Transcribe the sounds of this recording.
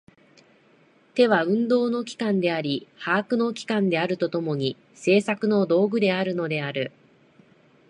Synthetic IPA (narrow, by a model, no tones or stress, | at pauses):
t̪e̞βaɯ̟̃nd̪o̞ːno̞kʲi̥kãnd̪e̞aɾʲihaːkɯ̟no̞kʲi̥kãnd̪e̞aɾɯ̟t̪o̞t̪o̞mo̞ɲ̟i | se̞ːsakɯ̟no̞d̪o̞ːɡɯ̟d̪e̞aɾɯ̟no̞d̪e̞aɾɯ̟